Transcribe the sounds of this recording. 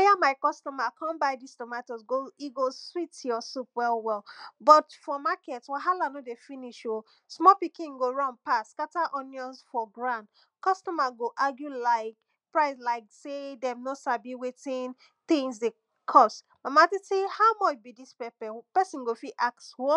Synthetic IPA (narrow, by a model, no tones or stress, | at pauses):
ajamaɪkɔstɔmakʰãnbaɪdistɔmatɔsɡoiɡoswitjɔsupwɛlwɛlbɔtfɔmakɛtwɛɦalanodefiniʃo | smɔpikĩŋɡoɹɔ̃npaskataʔɔ̃njɔ̃nsfɔɡɹãnt | kɔstɔmaɡoʔaɡjulaɪk | pɹaɪslaɪksedɛ̃mnosabiwetĩn | θĩŋsde | kʰɔst | mamatitehaʊmɔt͡ʃbidispɛpɛpɛsĩnɡofiʔakswɔ